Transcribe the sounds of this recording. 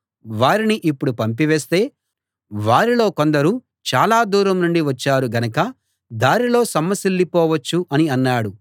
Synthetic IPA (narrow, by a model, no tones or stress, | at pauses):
ʋaːɾiniʔipːuɽupɐmp̬iʋeːst̪e̞ː | ʋaːɾilo̞ːko̞nd̪ɐɾu | t͡ʃaːlaːd̪uːɾɐmnuɳɖiʋɐt͡ʃːaːɾuɡɐnɐkɐ | d̪aːɾilo̞ːsɐmːɐsilːipɔːʋɐt͡ʃːuʔɐniɐnːaːɽu